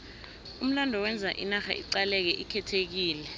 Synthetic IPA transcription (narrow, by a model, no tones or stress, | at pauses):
um̩landʱɔwɛnd͡zʱaʔinaxa̰ḭǀalɛk̬ɛʔikʰɛtʰek̬iːlɛ